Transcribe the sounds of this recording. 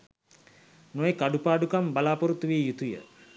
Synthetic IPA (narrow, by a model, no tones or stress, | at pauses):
nojekaɖupaːɖukambalaːpoɾut̪ːuʋijut̪ujə̰